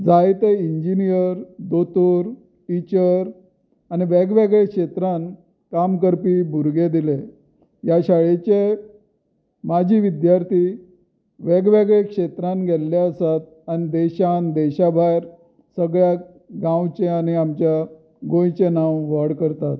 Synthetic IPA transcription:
d͡zajt̪eiɲd͡ʑinijəɾd̪ot̪uɾ | ʈit͡ɕəɾ | añiʋeɡʋeɡɭekʂet̪ɾan | kamkəɾpiːbʱuɾɡed̪ile | jaɕaɭet͡ɕe | mad͡ʑʱiːʋid̪jaɾt̪ʰiː | ʋeɡʋeɡɭekʂet̪ɾãnɡʱelːaəsat̪̚anid̪eɕand̪eɕabʱajɾ | səɡɭja | ɡãwt͡ɕeaniamt͡ɕja | ɡõjt͡ɕenawʋəɽkəɾt̪at̪̚

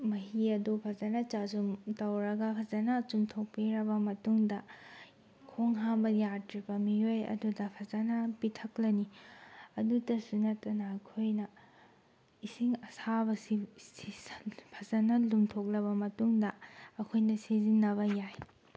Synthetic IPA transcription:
mɐɦiɐdupʰɐzɐnɐt͡ʃazumtɐwɾɐɡɐpʰɐzɐnɐt͡ʃumtʰok̚piɾɐbɐmɐtuŋdɐ | kʰoŋɦambɐjatɾibɐmiojɐ̰dudɐpʰɐzɐnɐpitʰɐklɐniɐdudɐsunɐtːɐnɐɐkʰojnɐ | isiŋɐsabɐsisispʰɐzɐnɐlumtʰok̚lɐβɐmɐtuŋdɐːkʰojnɐsizinːɐβɐjaj

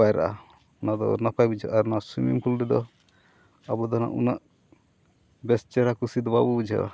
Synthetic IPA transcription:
ajɾa̰ʔa | unad̪ɔ̰napajbud͡ʒʱɔʔaɾnasimimkʰulɾɛd̪ɔ | abɔd̪ɔna̰ʔṵnaʔ | bɛst͡ʃɛɾakusid̪ɔbabubud͡ʒʱɔ̰

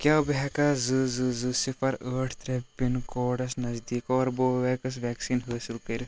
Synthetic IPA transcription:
kʲjaːbɛːkazɨzɨzɨsifʰɐɾəːʈʰt̪ɾepːinkɔːɖɐsnɐzd̪iːkɔːɾboːʋɛːkɐs̬ʋɛːksiːnɦəːsilkɐɾ

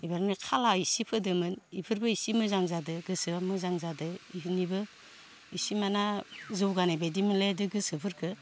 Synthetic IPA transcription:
ibaɾnikʰalaisipʰɯdɯmɯnipʰɯɾbɯisimɯzaŋzadɯɡɯsɯamɯzaŋzadɯinibɯ | isimanazɯwɡanabajdimɯledɯɡɯsɯpʰɯɾkʰɯ

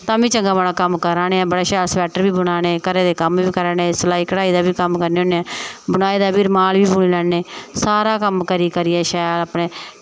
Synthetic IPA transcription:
t̪ãːbĩːt͡ʃəŋɡaːbaːɽãːkəmkəɾaːɽeːɛːbəɽaːʃaːɾsʋɛːʈəɾbiːbəɽ̃aːɽ̃eːkəɾeːd̪eːkəmʋiːkəɾaːneːsəlaːiːkəɽaːiːd̪aːbiːkəmkəɾneːoːneːɛːbəɽaːiːd̪aːbiːɾmaːlʋiːbuːɽiːlɛːeːsaːɾaːkəmkəɾiːkəɾiːɛːʃaːjəɾaːpɽeː

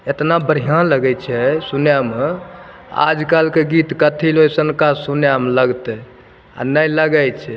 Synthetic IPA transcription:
et̪nabəɾ̤ijãnləɡɛt͡ʃʰɛsunjame | a̰d͡ʒkalkeɡit̪kət̪ʰilɦojsənkasunjamləɡt̪ɛ | a̰nəjləɡəjt͡ʃʰɛ

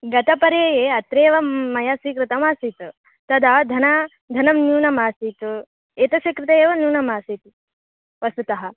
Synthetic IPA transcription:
ɡɐt̪ɐpɐɾjɐjeːɐt̪ɾeːʋɐmɐjasiːkɾɨt̪ɐmaːsiːt̪ | t̪ɐd̪ʱɐd̪ʱɐnɐ | d̪ʱɐnɐmnjuːnɐmaːsiːt̪u | eːt̪ɐʃɐkɾɪt̪ɐeːʋɐnjuːnɐmaːsit̪ | ʋɐsut̪ɐɦɐ

